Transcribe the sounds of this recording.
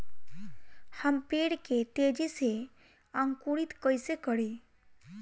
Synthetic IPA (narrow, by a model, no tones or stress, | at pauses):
həmpeːɽket̪eːd͡ʒise | ãŋkuɽit̪kəisekəɽi